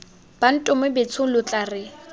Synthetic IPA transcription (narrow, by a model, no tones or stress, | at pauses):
b̥an̩tʼʊmʊbɪt͡sʰʊlʊt͡ɬʼarɪ